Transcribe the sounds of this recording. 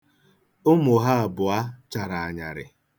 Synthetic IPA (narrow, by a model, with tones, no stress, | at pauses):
ʊ˦mʊ˨ɦa˦a˨bʊ˨a˦t͡ʃa˨ɾa˨a˨ɲa̰˨ɾɪ̰˨